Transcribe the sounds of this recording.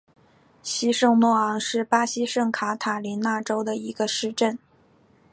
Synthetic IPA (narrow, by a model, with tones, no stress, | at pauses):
ɕi˥ʂɤ˥˧ŋmwɔ˥˩ɑ˧˥ŋʂɻ̩˥˩pa˥ɕi˥ʂɤ˥˩ŋkʰa˧˥t̪ʰa˨˩li˧˥nna˥˩ʈ͡ʂo˥ʊd̪ə˨i˧˥ɡə˧ʂɻ̩˥˧ʈ͡ʂə˥˩n